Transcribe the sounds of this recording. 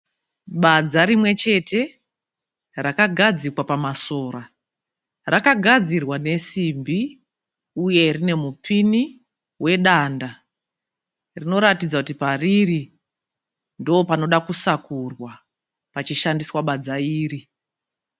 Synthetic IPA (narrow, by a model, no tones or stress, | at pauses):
ɓad͡zaɾimwe̞t͡ʃe̞te̞ | rakaɡʱad͡zikwapamaso̞ːɾa | rakaɡʱad͡zirwane̞simbi | uje̞rine̞mupini | we̞ɗanda | rino̞ɾatid͡zakutipariri | ndoopano̞ɗakusakurwa | pat͡ʃiʃandiswaɓad͡zaiːri